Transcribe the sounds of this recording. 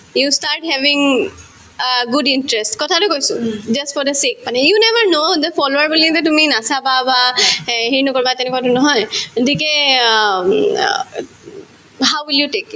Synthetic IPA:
justaɹʈhɛvĩŋ | ɡudintɹɛstkɔtʰatʊkojsʊd͡ʒastfɔɹd̪əsek̚panɛjunɛvəɹnod̪əfɔloaɹbilidɛtuminasababaɦinɔkoɹibatɛnɛkwatunɔɦɔjdikɛ | ɦawwiljutek

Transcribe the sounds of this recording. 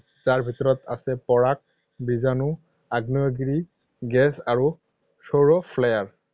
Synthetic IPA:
zaɹbʱitɔɹɔta̰sɛpɔɹak̚ | bizanu | aɡnijɔɡɹi | ɡɛsaɹu | soɹɔpʰlajaɹ

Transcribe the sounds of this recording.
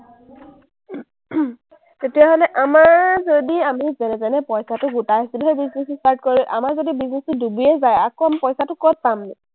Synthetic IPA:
tetijaɦolɛʔamaɹzodiamizɛnɛzanɛpɔjsatʊɡutajɦasiluɦebiznesustaɹt̚kɔɹiuʔa̰maɹzodibiznestʊdubijɛzajakoamipɔjsatʊkɔt̚pamnɛ

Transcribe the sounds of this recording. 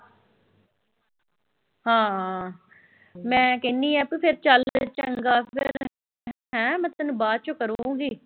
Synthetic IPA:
hãːɦ | mɛ̃ːkeːniːɛːpipʰɪɾt͡ʃəlt͡ʃəŋɡaːpʰɪɾ | ɦ | ɛ̃ːmət̪ənbaːd̪̚t͡ʃokəɾõːɡiː

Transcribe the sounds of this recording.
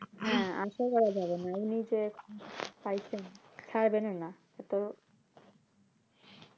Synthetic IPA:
ɦɛ̃a̰nʃakɔɾad͡ʑabenaenid͡ʑe | pajt͡ɕʰen | t͡ɕʰaɾbenena | et̪oɾ

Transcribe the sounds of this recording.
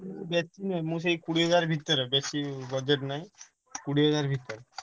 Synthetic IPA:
bɛt͡ʃːinemũs̬ejkuɽiɦɔd͡ʒaɾbʱit̪ːɔɾebesibɔd͡ʑeʈnaj | kuɽiɦɔd͡ʑaɾbʱit̪ːɔɾe

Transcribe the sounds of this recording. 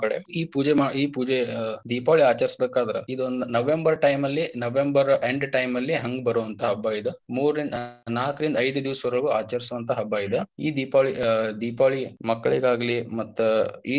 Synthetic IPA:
kɐɽḛiːpuːd͡ʒemaiːpuːd͡ʒed̪iːpaːɭiaːt͡ʃɐɾsbeːkaːd̪ɐɾɐ̰id̪ond̪unɐʋe̞mbɐɾʈɐjmɐlːinɐʋembɐɾeɳɖʈɐjmɐlːiɦɐŋɡbɐɾuːʋɐnt̪ʰɐɦɐbːaːjid̪emuːɾːind̪naːkɾind̪ɐɐjd̪ud̪iʋsʋɐɾɐɭɡuaːt͡ʃɐɾsuʋɐnt̪ʰɐɦɐbːaːjid̪eiːd̪iːpaːɭid̪iːpaːɭimɐkːɐɭiɡaːɡɐlimɐt̪ːuiː

